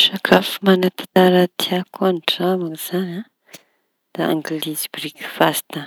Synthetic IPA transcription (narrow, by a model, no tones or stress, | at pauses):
ʃakʰafumanat̪ḁt̪aɾat̪ʰiakʰuanʈ͡ʂamakz̥anã | d̪̥aa̰ŋɡlizibɾikfast̪a